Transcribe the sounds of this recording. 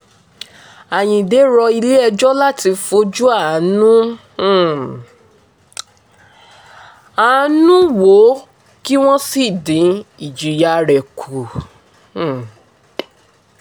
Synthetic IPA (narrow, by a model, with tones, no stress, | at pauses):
a˨j̃ĩ˨de˨˦ɾɔ˧i˧le˦ɛ˧d͡ʒɔ˦la˦ti˧fo˧˦d͡ʒu˦a˦˨˦nũ˦˨ | a˨˦nũ˦wo˨˦ | ki˦w̃ɔ̃˦si˦˨dĩ˨˦i˨d͡ʒi˨ja˧˨ɾɛ˨kʰu˨